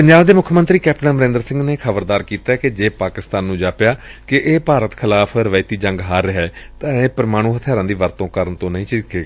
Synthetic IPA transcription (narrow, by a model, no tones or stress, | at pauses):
pəɲd͡ʒaːbd̪eːmʊkʰːmə̃nt̪ɾiːkɛːpʈə̃nməɾẽnd̪əɾsɪ̃ŋɡneːkʰəbəɾd̪aːɾkiːt̪aːɛːked͡ʒeːpaːkɪst̪aːnːũːd͡ʒaːpɪjaːkɪʔeːpaːɾət̪kʰɪlaːpʰɾəʋaːɪt̪iːd͡ʒə̃ŋɡɦaːɾːɪɦɛːt̪ãːeːpəɾmaːɽ̃ũːɦət̪ʰɪjaːɾãːd̪iːʋəɾt̪õːkəɾəɳt̪õːnəɦĩːt͡ʃɪkeːɡaː